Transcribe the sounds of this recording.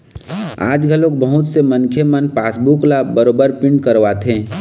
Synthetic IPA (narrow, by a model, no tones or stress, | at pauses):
a̰ːd͡ʒɡʱəloːk̚bəɦʊt̪semə̃nkʰjemənpaːsbuklabəɾoːbəɾpɪ̃ɳɖkəɾʋat̪ʰɦẽː